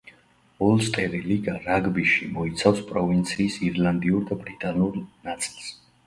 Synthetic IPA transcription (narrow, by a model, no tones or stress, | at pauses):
ɔlˠst̪ʼɛɾiliɡaɾaɡbiʃimɔit̪sʰafspʼɾɔvint̪sʰiːsiɾlˠand̪iuɾd̪abɾit̪ʼanuɾnat̪sʼilˠs